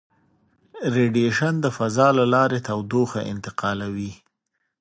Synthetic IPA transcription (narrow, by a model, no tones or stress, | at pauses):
ɾeɖieʃand̪əfazɑlalɑɾet̪awd̪oxaʔɪ̰nt̪ɪqɑlawi